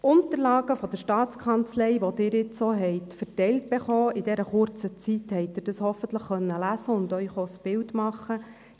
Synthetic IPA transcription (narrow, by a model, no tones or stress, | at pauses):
ʊnt̪əɾlɑːɡ̥əfɔd̥̪əɾʃtɑːt͡skʰɑnt͡slɛɪʋod̥̪ɪːɾɪt͡soɦɛɪtfərtɛjlt̚b̥eχoːɪdɛɾəχʊrt͡sət͡sit̪hɛɪt̚dɪrd̥ɑshɔfənt̪ləχχœnːəlæsəʊnd̪œʏχosb̥ɪltmɑχə